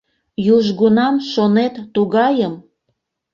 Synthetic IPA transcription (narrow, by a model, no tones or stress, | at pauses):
juʒɣunɑmʃonet̪ːuɣɑjəm